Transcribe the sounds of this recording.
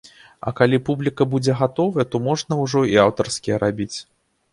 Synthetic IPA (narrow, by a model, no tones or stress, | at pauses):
ɐ̰kalʲipublʲikɐbud͡zʲɛɣat̪ɔvɐjɛt̪ɔmɔʐnɐwʐɔiawt̪ɐrskʲijɛɾabʲit͡sʲ